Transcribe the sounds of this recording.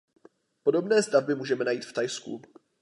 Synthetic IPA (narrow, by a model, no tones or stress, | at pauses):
po̞do̞bnɛːst̪avbɪmuːʒɛmɛnajiːt̪ft̪ajskṵ